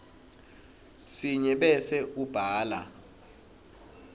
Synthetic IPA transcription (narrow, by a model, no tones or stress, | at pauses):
siɲɛɓɛsɛʔub̥ʱaːla̰